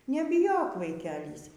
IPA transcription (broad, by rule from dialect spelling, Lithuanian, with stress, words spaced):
nʲɛbʲɪˈjoːk ʋɐɪˈkʲæːlʲiːs